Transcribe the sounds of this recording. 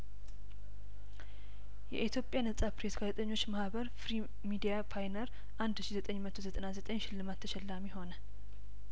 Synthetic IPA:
jɛ̰ʔit̪ʰjo̞pʼjanəsʼapɾesɡazət̪ʼəɲːo̞t͡ʃːmahβəɾfɾi | mid̪ijapʰajnəɾ | ʔand̪ʃizət̪ʼəɲːmət̪ʰozət̪ʼənazət̪ʼəɲʃɪlːɨmat̪ʰːəʃɛlːamiho̞nə

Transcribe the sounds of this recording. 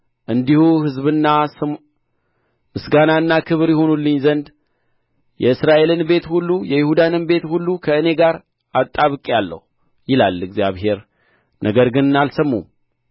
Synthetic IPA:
ʔɨnd̪ihuhɨzβɨnːa | mɨsɡanaɨnːakʰɨβɾjɪho̞nulːɨɲːzənd̪ | jɛɨsɾaʔe̞lɨnbe̞t̪hulːujɛjɪhud̪anɨnbe̞t̪hulːukʰəɨne̞ɡaɾ | at̪ʼːaβɨkʼalːə̰hu | jɪla̰lɨɡzjaβɦe̞ɾ | nʔəɡəɾɡɨnnalsəmːṵm

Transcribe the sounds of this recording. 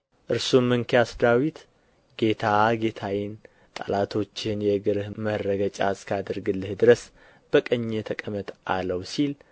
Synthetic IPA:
ʔɨɾsumːɨŋkʰejasd̪awit̪ | ɡ̥e̞t̪ʰaɡe̞t̪ʰawɪn | t̪ʼa̰lat̪ʰo̞t͡ʃːɪnjɛɡɨɾɨhmərːəɡət͡ʃʼa̰skʰad̪əɾɡɨlːɨhd̪ɨɾəs | b̥əkʼəɲːet̪ʰəkʼəmət̪ʔa̰ləwsil

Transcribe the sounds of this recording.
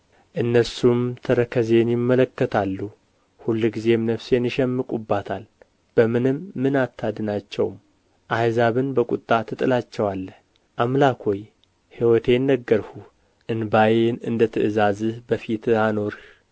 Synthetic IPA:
ʔɨnːəsumt̪ʰəɾəkʰəze̞njɪmːələkːət̪ʰalːu | hulːɡize̞mnəfsenɪʃɛmːɨkʼubːat̪ʰal | b̥əmɨnɨmːɨnat̪ʰːad̪ɨnat͡ʃːɛ̰wm | ʔajzaβɨnbəkʼut̪ʼːat̪ʰɨt̪ʼɨlat͡ʃːɛwalːəh | ʔamlakʰoj | hiwɔt̪ʰe̞nːəɡːəɾhu | ʔɨnbajenɨnd̪ət̪ʰɨʔɨzazɨbəfit̪ano̞ɾh

